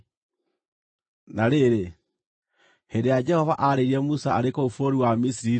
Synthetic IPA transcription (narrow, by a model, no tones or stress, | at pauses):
naɾeɾe | hendejad͡ʒɛhɔvaʔaɾeiɾiɛmusaaɾekoufoɾiwamisiɾi